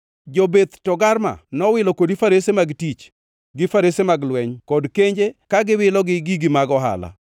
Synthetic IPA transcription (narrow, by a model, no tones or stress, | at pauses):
d͡ʒobed̪tɔɡarma̰nɔwɪlɔkodifaɾesemaɡtit͡ʃ | ɡɪfaɾesemaɡlwɛɲkɔdkeɲd͡ʒekaɡɪwɪlɔɡɪɡiɡimaɡɔɦa̰la̰